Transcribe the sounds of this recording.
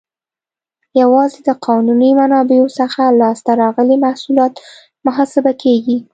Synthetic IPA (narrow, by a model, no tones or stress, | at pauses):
jawɑzed̪əqʰɑnunimanɑbeosəxalɑst̪aɾɑɣəlimahsulɑt̪ | mʊɦɑsɪbakeɡi